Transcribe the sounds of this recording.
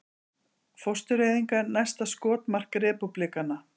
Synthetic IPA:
fɔst̪ʏɾeːjðiŋkanajst̪askɔːt̪mar̥kɾɛːpuplikana

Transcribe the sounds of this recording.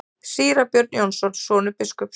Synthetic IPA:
siːɾapjœɾt̪̚njɔnsɔnsɔːnʏpɪskʏp

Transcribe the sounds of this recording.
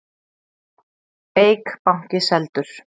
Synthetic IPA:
eːjkpawŋ̥cɪsɛlt̪ʏɾ̥

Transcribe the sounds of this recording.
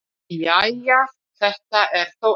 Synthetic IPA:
jaja | θɛht̪aʔɛɾ̥θow

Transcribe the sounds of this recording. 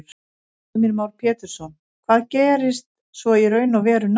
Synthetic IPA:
ɾ̥ | mɛɾmaːwɾ̥pʰɛːt̪ɪɾ̥sɔn | kʰv̥aːðcɛːɾɪst̪ | svɔiɾœːɥnawvɛːɾʏn

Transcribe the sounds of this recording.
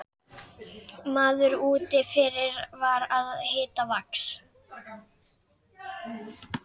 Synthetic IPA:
maːðʏɾuːt̪ɪfɪɾɪɾvaɾaðhɪːt̪avaks

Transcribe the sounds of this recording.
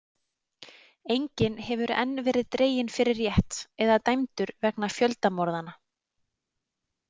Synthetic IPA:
ejɲcɪnhɛvʏɾɛ̰nːvɛːɾɪðt̪ɾeːjɪnfɪɾɪrjɛht̪ɛðat̪ajmt̪ʏɾvɛknafjœlt̪amɔɾðana

